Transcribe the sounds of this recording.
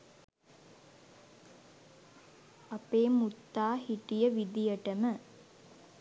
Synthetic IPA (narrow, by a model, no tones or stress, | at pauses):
apeːmut̪ːaːɦiʈijəʋid̪ijəʈəmə